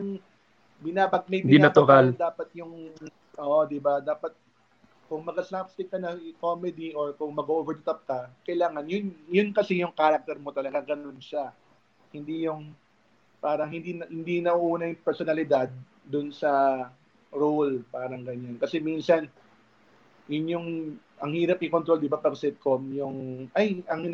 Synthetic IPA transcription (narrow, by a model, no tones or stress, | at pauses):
ɐŋ | bɪnaːbɐt̪̚mɐjbɪinat̪ʊɾald̪aːpɐt̪̚jʊŋ | ʔoːʔod̪ɪbad̪aːpɐt̪̚ | kʊŋmɐɡɐslapst̪ɪkːɐnɐɪkoːmɛd̪iʔoɹkʊŋmɐɡoovɛɾt̪ɐp̚kɐkɐjlaːŋɐnjʊnjʊnkɐsɪjʊŋkaːɾɐk̚t̪ɛɾmot̪ɐlɐɡaɡɐnonʃa | hɪnd̪ijʊŋ | paːɾɐŋɦɪnd̪inhɪnd̪inɐʔuʔuːnɐjʊŋpɛɹsonɐlɪd̪ad̪̚ː | ʊnsɐ | ɹolpaːɾɐŋɡɐɲankɐsɛminsɐn | jʊnjʊŋʔɐŋhiːɾɐp̚ʔɪkonɾo̞ld̪ɪbapɐɡsɪt̪̚komjʊŋʔajʔɐŋhɪ